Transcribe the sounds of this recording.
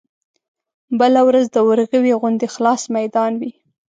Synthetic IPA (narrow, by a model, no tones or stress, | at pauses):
bəlawɾazd̪əwəɾɣəwiɣʊnd̪exlɑsmajd̪ɑnwi